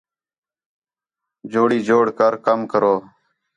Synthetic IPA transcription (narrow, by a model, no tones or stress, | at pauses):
d͡ʒoːɽiːd͡ʒoːɽkəɾkəmkəɾoː